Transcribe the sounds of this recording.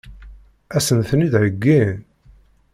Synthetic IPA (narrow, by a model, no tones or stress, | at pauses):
æsənθənid̪ʕəɡːin